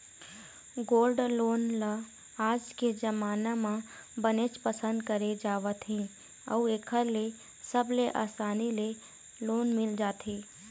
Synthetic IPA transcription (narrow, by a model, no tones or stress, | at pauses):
ɡoːlɖloːnla | aːd͡ʒked͡ʒəmaːnamã | bənet͡ʃpəsə̃nd̪̚kəɾed͡ʒaːʋət̪ʰɦĩ | ə̰ueːkʰəɾle | səbleʔa̰ːsaːnile | loːnmɪld͡ʒaːt̪ʰeː